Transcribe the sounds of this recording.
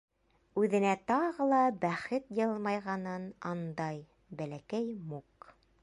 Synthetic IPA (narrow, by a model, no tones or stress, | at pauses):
ʉðɘ̆næt̪ɑʁɤ̆lˠɑbæχɘt̪jɤlˠmɑjʁɑnɤnɑnd̪ɑj | bælækæjmuk